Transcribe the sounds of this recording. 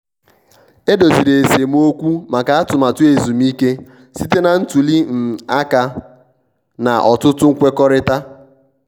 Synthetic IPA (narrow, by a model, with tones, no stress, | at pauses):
e˦do˨si˨ɾe˨e˨se˨m˦o˦kʷu˦ma˨ka˨a˦tʊ˨ma˨tʊ˦e˨zu˨m˦i˦ke˦ | si˦te˦na˨n̩˦tu˨li˦m̩˨a˦ka˦ | na̰˨ʔɔ̰˨tʊ˦tʊ˦ŋ̩˦kʷe˦kɔ˦ɾɪ˦ta˦